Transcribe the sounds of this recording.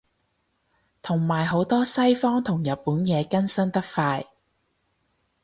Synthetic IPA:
t̪ʰʊ˨˩ŋmaː˨˩jɦo˨˥wt̪ɔː˥sɐ˥jfɔː˥ŋt̪ʰʊ˨˩ŋjɐ˨t̚puː˨˥njɛː˨˧kɐ˥nsɐ˥nt̪ɐ˥k̚faː˧j

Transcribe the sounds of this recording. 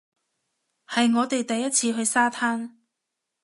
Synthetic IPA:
hɐ˨jŋɔː˨˧t̪e˨jt̪ɐ˨jːɐ˥t̚t͡sʰiː˧ɦɵ˧ɥsaː˥t̪ʰaː˥n

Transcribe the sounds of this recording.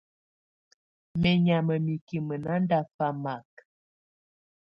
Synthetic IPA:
mɛ˨ɲa˨mə˨mi˨ki˨mə˨na˦nda˦fa˦ma˨k

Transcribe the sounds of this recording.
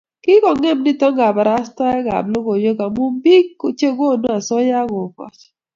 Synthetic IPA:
kɪ˦kɔ˨ŋɛ˦˨mnɪ˦tɔ˦ŋɡa˨ba˨ɾa˦sta˦ɛ˦ɡa̰˨blo˦ɡo˨jo˦ɡa˨mu˦bi˦kːo˨t͡ʃe˦ɡo˦˨no˦a˨sɔ˦ja˦ɡo˨kɔ̰˨t͡ʃ

